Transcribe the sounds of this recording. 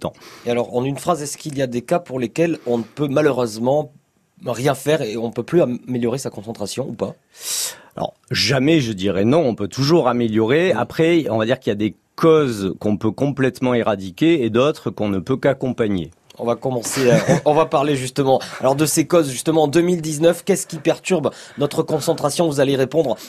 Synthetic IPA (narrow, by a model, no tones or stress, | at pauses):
t̪ɑ̰̃ealɔʁɑ̰̃nynfχazɛskilijad̪ekapuʁlekʲɛlɔ̃nəpømaløʁøzmɑ̃ | ʁjɛ̃fɛʁeɔ̃npøplyameljɔʁesakɔ̃sɑ̃t̪χasjɔ̃upa | alɔ̰ʁʒamɛʒəd̪iʁɛnɔ̃ɔ̃pøt̪uʒuʁameljɔʁea̰pχɛɔ̃vad̪iʁkiljad̪e | kɔzkɔ̃pøkɔ̃plɛt̪mɑ̃eʁad̪ikʲeːd̪ɔt̪χəkɔ̃nəpøkakɔ̃paɲḛ | ɔ̰̃vakɔmɑ̃sẽɔ̃vapaʁleʒyst̪əmɑ̃a̰lɔʁd̪əsekɔzʒyst̪əmɑ̃d̪əmild̪iznœfkʲɛskʲipɛʁt̪yʁbnɔt̪χəkɔ̃sɑ̃t̪χasjɔ̃vuzaleʁepɔ̃d̪ʁ